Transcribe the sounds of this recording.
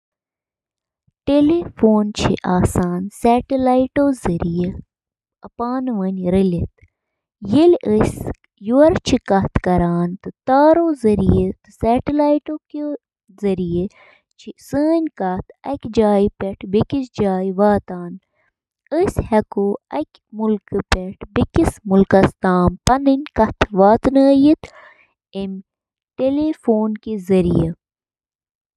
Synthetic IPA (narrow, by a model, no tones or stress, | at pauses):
ʈelefoːnt͡ʃʰḭʔaːsaːnsɛːʈilaːiʈoːzɐɾije | ɐpaːnʋɐnɾɐlit̪ | jiləsʲ | juɐɾt͡ʃʰikɐt̪kɐɾaːnt̪ɨt̪aːɾoːzɐɾijet̪ɨsɛːʈilaːiʈoːki | zɐɾije | t͡ʃʰisəːnʲkɐt̪ʰɐkʲd͡ʒaːipeʈʰbikisd͡ʒaːiʋaːt̪aːn | əsʲhɐkoːɐkʲ | mulkɨpeʈʰbikismulkɐst̪aːmpɐnɨnʲkɐt̪ʰʋaːt̪nəːjit̪ | em | ʈelefoːnkezɐɾḭje